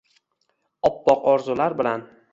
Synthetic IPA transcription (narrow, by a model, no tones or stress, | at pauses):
ɒpːɒqɒɾzʊlaɾbɪlan